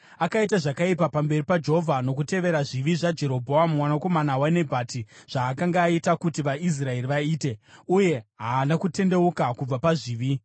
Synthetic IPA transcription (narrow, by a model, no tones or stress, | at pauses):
akaitaʐakaipapambe̞ripad͡ʒeɦovʱano̞kute̞ʋe̞ɾaʐiʋiʐad͡ʒe̞ɾo̞bʱo̞amumwanako̞manawane̞bʱaːtiʐ̥aːkaŋɡaːitakutiʋais̬rae̞riʋaiːte̞uje̞ɦaːnakute̞nde̞ukakub͡vapaʐiːʋi